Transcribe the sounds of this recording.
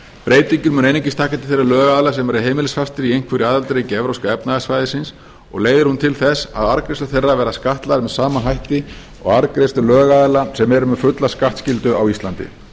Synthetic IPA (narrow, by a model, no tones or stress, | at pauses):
pɾeːjt̪iɲcʏɾmʏnejniɲcɪst̪ʰaːhkat̪ɪ̥θejrːalœːɣaːðlasɛmɛɾʏɦejmɪlɪsfast̪ɪɾiejn̥kʰvʏɾiaːðalt̪ɾejcɪɛvɾowskaɛpnaɣasvaːjðɪsɪns | ɔ̰ɣleːjðɪɾhunt̪ʰɪlθɛsa̰ðaɾkɾest̪aθejrːavɛːɾaskaht̪laɾɪmɛðsaːmaɦajht̪ɪ | ɔ̰ɣaɾkɾest̪ʏlœːɣaðɪlasɛmɛɾʏmɛfʏt̪laskaht̪scɪlt̪ʏʔa̰wist̪ant̪ɪ̰